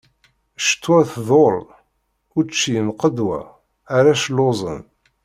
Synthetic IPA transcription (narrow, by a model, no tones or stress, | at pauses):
ʃt̪ːwæθðˤol | ʊɾt͡ʃːiənqəd̪wæ̰ː | ɾaʃlːozˤə̰n